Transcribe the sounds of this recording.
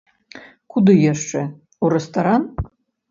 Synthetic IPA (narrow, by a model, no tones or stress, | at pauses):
kʰud̪ɨjaʂʈ͡ʂʼe | urest̪ʰʼɐɾan